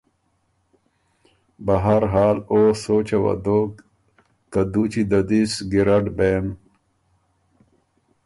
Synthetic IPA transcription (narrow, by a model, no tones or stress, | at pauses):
bɐɦaɾɦaːloːsoːt͡ɕɐwɐ̰d̪o | kɐd̪ut͡ɕid̪ɐd̪isɡiɾɐɖbem